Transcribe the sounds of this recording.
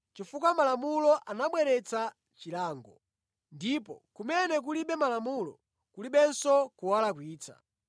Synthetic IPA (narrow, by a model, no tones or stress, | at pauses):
t͡ʃifuk̬wamalamulɔʔanaɓwɛɾɛt͡sa | t͡ʃilaːŋɡɔ | ndipɔkumɛnɛk̬uliɓɛmalamulɔ̰ | kuliɓɛnsɔkuwalakwiːt͡sʰa̰